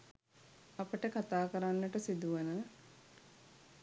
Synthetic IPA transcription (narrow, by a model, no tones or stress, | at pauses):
apəʈəkat̪aːkəɾanːəʈəsid̪uʋənə